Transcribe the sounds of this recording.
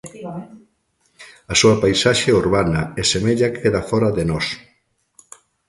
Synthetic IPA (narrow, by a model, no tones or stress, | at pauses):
ɐsuɐpajsaʃeuɾβanɐɛsemeʎakʰeðafɔɾɐðenɔs